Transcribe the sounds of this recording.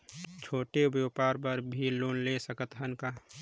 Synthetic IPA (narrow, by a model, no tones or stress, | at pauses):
t͡ʃʰoːʈebjopaːɾbəɾbʱilːoːnlesəkət̪ɦənkaː